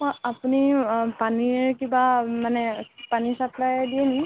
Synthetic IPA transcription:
mɔapunipanikĩbamanepanisaplajd̪ieni

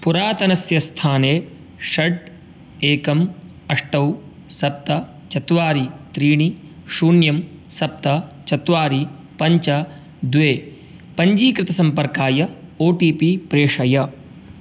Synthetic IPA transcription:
puɾaːt̪ɐnɐsjɐst̪ʰaːneː | ʂɐɖ | eːkɐm | ɐʂʈɐw | sɐp̚t̪ɐ | t͡ʃɐt̪ʋaːɾit̪ɾiːɳiʃuːnjɐmsɐp̚t̪ɐt͡ʃɐt̪ʋaːɾi | pɐɲt͡ʃɐ | d̪ʋeː | pɐɲd͡ʒiːkɾɪt̪ɐsɐmpɐɾkaːjɐoːʈiːpipɾeːʂɐjɐ

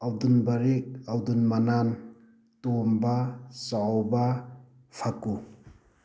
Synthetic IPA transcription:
awdunbaɾek̚awdunmanan | tombasawba | pʰaku

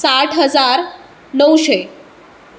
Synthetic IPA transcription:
saʈʰɦəd͡zaɾ | nəwɕe

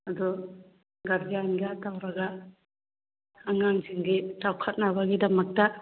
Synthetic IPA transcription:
ɐdu | ɡɐɾɡanɡɐtawɾɐɡɐ | ŋaŋziŋɡitawkʰɐt̚nabaɡidɐmɐk̚tɐ

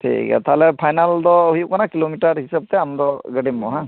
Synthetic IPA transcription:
tʰḭkɛ̰t̪ʰalɛpʰajnaldɔɦikanakilomitaɹhisab̚tɛamdɔɡədimːɔ̰ɦã

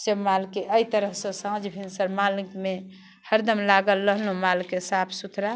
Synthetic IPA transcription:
səbmalkeʔəit̪əɾəɦsə̃sãd͡ʒbʱinsəɾmalkme | həɾd̪əmlaɡəlːəɦlũmalkesapʰsut̪ʰɾa

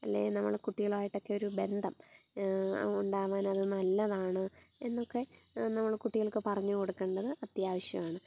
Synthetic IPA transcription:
ɐ̰lːḛːnɐmːɐ̰ɭkuʈːiɣɐɭaːjiʈːo̞kːe̞o̞ɾube̞nd̪ʱɐm | uɳɖaːʋaːnɐðɨnɐlːɐðaːɳɨe̞nːo̞kːe̞nɐmːɐɭkuʈːiɣɐɭkːɨpɐrɐɲːuko̞ɽukːe̞ːɳɖɐðɨʔɐt̪jaːʋɐɕjɐ̰maːɳɨ

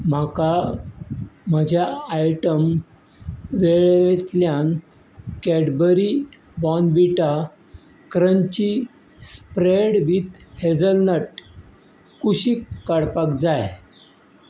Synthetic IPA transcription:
m̤aka | m̤əd͡ʑʱjaːjʈəm | ʋeɭet̪ljan | kɛɽbəɾi | bɔnʋiʈa | kɾəɲt͡ɕi | spɾeɽʋiːt̪hed͡zəlnəʈ | kuɕiːkkːaɽpakd͡zaj

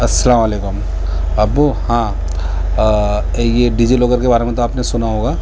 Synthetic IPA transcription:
ɐsːɐlaːmɐleːkʊm | ɐbhã | jeɖid͡ʒiloːɡəɾkebaːɾemẽt̪oaːpnesʊnaɦoːɡaː

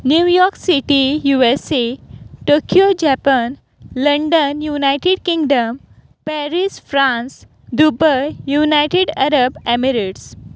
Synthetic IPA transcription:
njujɔɾksiʈijueseʈokijod͡ʑɛpən | ləɳɖənjunajʈeɖkĩŋɡɖəm | pɛɾisfɾãns | d̪ubəjunajʈeɖaɾəbɛmiɾiʈs

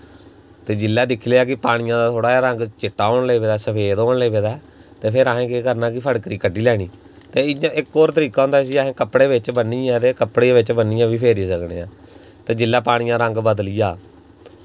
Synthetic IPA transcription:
t̪eːd͡ʒɪlːaːd̪ɪkʰleːaːkɪpaːɽ̃ɪjãːd̪aːt̪ʰoːɽaːaːɾəŋɡt͡ʃɪʈːaːoːɳleːʋeːd̪aːsəpʰeːd̪oːɳleːʋeːd̪aː | t̪eːpʰɪɾaːɦẽːkeːkəɾnãːk̬ɪpʰəɽkəɾiːkəɖiːlɛːɽ̃iː | t̪eːɪãːɪkːoːɾt̪əɾiːkaːõʊnd̪aːs̬iːaːɦẽːkəpːɽeːʋɪt͡ʃbənːiːãːt̪eːkəpːɽeːʋɪt͡ʃbənːiːãːʋiːpʰeːɾiːsəkɽḛːãːt̪eːd͡ʒɪlːaːpaːɽ̃ɪjãːɾəŋɡbəd̪lijaː

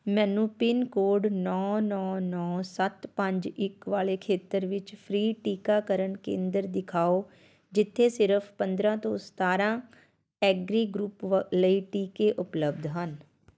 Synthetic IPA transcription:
mɛːnuːpiːnkoːɾɖnɔːnɔːnɔːsət̪pəɲd͡ʒɪkʋaːleːkʰeːt̪əɾʋɪt͡ʃpʰɾiːʈiːkaːkəɾəɳkḛ̃ːnd̪əɾd̪ɪkʰaːoː | d͡ʒɪt̪ʰːeːsɪɾəpʰpənd̪ɾãːt̪õst̪aːɾãː | ɛːɡɾiːɡɾuːpləiːʈiːkeːʔʊpləb̚d̪ɦən

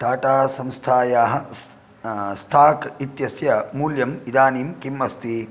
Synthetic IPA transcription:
ɖaːʈaːsɐmst̪ʰaːjaːɦɐ̆ | sʈ̪ʰaːkit̪jɐsjɐmuːljɐmid̪aːniːmkimːɐst̪ʰi

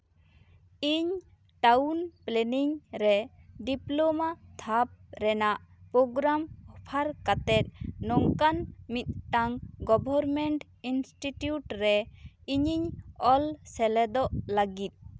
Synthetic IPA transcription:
iɲ | ʈawnplɛniŋɾɛɖiplomat̪ʰap̚ɾɛnaʔpɾoɡɾamɔpʰaɾkat̪ɛt̪̚nɔŋkanmit̪̚ˀʈaŋɡɔbʱɔɾmɛɳʈ | insʈiʈjuʈɾɛiɲiɲɔlsɛlɛd̪ɔʔlaɡit̪̚ˀ

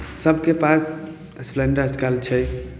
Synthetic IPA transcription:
səbʱkepʰas | slɛ̃ɳɖəɾəd͡ʒkalt͡ʃʰɛ

